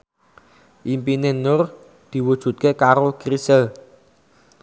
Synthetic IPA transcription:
ʔimpinenʊr | d̪̥i̤wud̥ʒ̥ṳt̪̚kekaɾokrisəl

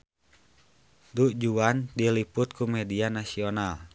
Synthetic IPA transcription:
duʔd͡ʒuandilipʊt̪̚kumɛdianasional

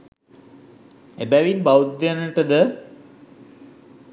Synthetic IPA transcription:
ebæʋinbawd̪janəʈəd̪ə

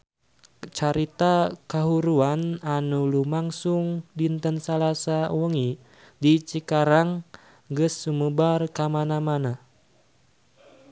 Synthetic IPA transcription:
t͡ʃaɾit̪akaɦuɾuananulumaŋsuŋdint̪ənsalasawəŋi | dit͡ʃikaɾaŋ | ɡəsːuməbarkamanamana

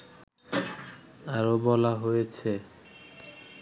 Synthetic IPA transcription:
aɾobɔlaɦojet͡ɕʰe

